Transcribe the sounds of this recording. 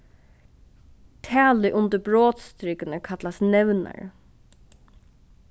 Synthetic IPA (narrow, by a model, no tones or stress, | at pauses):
t̪ʰæːlɪʔʊnt̪əbɹoːt̪st̪ɾɪkɪnəkʰat̪lasnɛʋna̰ɹ